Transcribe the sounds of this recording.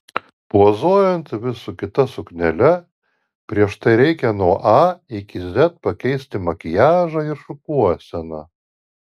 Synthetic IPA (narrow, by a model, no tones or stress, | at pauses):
puɔzoːjɛnt̪ʋʲɪsukʲɪt̪ɐsʊknʲɛlʲɛ | pʲɾʲiɛʃt̪ɐɪɾʲɛɪkʲɛnuɔʔɑɪkʲɪzʲɛt̪̚pɐkʲɛɪsʲt̪ʲɪmɐkʲɪjæːʒɐɪɾʃʊkuɔsʲɛnɐ